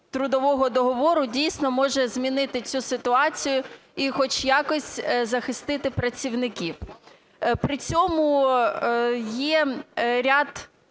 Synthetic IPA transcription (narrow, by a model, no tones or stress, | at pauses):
t̪ɾʊd̪ɔʋɔɦɔd̪ɔɦɔʋɔɾʊdʲijsʲnɔmɔʒɛzʲmʲinɪt̪ɪt͡sʲusɪt̪ʊɑt͡sʲijʊixɔt͡ʃjakɔsʲtʲzɐxɪst̪ɪt̪ɪpɾɐt͡sʲiwnɪkʲiw | pɾɪt͡sʲɔmʊ | jɛɾʲad̪